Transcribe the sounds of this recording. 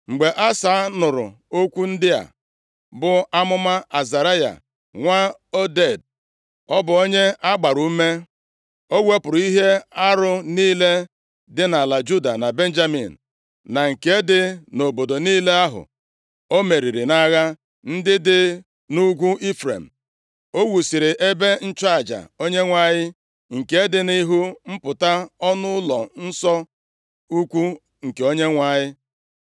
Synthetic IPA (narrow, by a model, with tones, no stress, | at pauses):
ŋ͡m̩˨ɡ͡be˨ʔa˦sa˨˦nʊ˨ɾʊ̰˨ | o˦kʷu˦n̩˦dɪ˦a̰˨ | bʊ˨a˦mʊ˦ma˦ʔa˨za˨ɾa˦ja̰˨ | ŋʷa˦o˦de˦˨d̚ | ɔ˦bʊ˨o˦ɲe˦a˦ɡ͡ba˨ɾu˨u˦me˦ | o˦ɡʷe˦pʊ˨ɾi˦ɦe˦a˦ɾʊ˦niː˦le˦ | dɪ˦na˨la˨d͡ʒu˦da̰˨na˨be˦n̩˦d͡ʒa˦mḭ˨n̩˨ | na˨ŋ̩˨ke˦dɪ˦no˨bo˨do˨niː˦le˦a˦ɦʊ̰˨ | o˦me˨ɾi˨ɾi˨na˦ɣa˦ | n̩˦dɪ˦dɪ˦ | nu˦ɡʷu˦ʔi˦fɾḛ˨m̩˨ | o˦wu˨si˨ɾɪ˨ʔe˦be˦n̩˦t͡ʃa˨d͡ʒa̰˨o˦ɲe˦ŋʷa˦ɲɪ˦ | ŋ̩˨ke˦dɪ˨ni˦ɦu˦m̩˦pʊ˨ta˦ɔ˦nʊ˦lɔ̰˨n̩˦sɔ˦ | u˦kʷu˦ | ŋ̩˨ke˨o˦ɲe˦ŋʷa˦ɲɪ˦